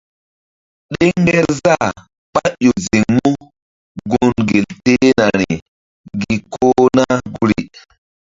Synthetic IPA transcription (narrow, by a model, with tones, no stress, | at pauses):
ɗe˦ŋɡɛ˦ɾza˦˨ | pa˦ʔo˨zi˨ŋmu˦ | ɡu˨nɡe˨lte˦na˨ɾi˨ | ɡi˨kʰoː˦na˦ɡu˦ɾḭ˨